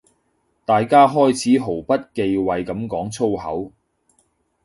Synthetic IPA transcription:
t̪aː˨jkaː˥ɦɔː˥jt͡sʰiː˨˥ɦo˨˩wpɐ˥t̚ke˨˧jwɐ˨jkɐ˨˥mkɔː˨˥ŋt͡sʰo˥whɐ̰˨˥w

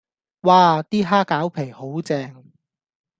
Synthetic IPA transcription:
waː˨˧t̪iː˥ɦaː˥kaː˨˥wpʰe˨˩jho˨˥wt͡sɛː˧ŋ

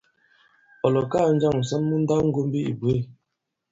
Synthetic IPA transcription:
ɔ˨lɔ˨kaː˦˨˦n̩˦d͡ʒa˦˨ŋ̩˨sɔ˦nmu˦n̩˦da˦ŋ̩˦ɡo˦m˦bi˦ʔḭ˨bwe˦˨

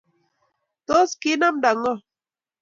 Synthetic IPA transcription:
t̪o˦ski˦na˦mda˨ŋɔ˦˨

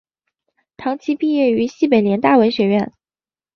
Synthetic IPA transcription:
t̪ʰɑ˧˥ŋt͡ɕʰi˧˥pi˥˧jɛ˥˩y˧˥ɕi˥˩pe˨˩ɪljɛ˧˥nt̪a˥˩wə˧˥ɪɕɥɛ˧˥ɥɛ˥˩n

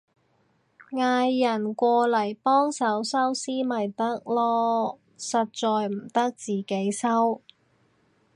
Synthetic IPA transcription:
ŋaː˧jːɐ˨˩nkʷɔː˧lɐ˨˩jpɔː˥ŋsɐ˨˥wsɐ˥wsiː˥mɐ˨jt̪ɐ˥k̚lɔː˥ | sɐ˨t̚t͡sɔː˨˧jm̩˨˩t̪ɐ˥k̚t͡siː˨ke˨˥jsɐ˥w

